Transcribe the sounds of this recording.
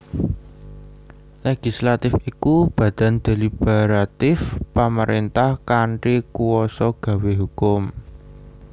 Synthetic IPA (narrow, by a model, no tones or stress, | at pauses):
leɡ̥i̤slat̪ɪfikub̥ä̤d̪̥a̤nd̪̥e̤lib̥aɾat̪ɪfpaməɾʔent̪ahkaɳʈikuwɔsɔɡ̥ä̤weɦukʊm